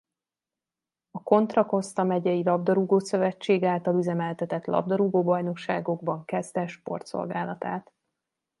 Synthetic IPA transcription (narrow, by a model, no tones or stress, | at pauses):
ɒko̞nt̪rɒko̞st̪ɒmɛɟɛjilɒbd̪ɒɾuɡoːsø̞vɛt͡ʃːeːɡaːlt̪ɒlyzɛmɛlt̪ɛt̪ɛt̪lɒ̰bd̪ɒɾuɡoːbɒjno̞kʃaːɡo̞ɡ̚bɒŋkɛzd̪ɛʃpo̞̰rt̪so̞̰lɡaːlɒt̪a̰ːt̪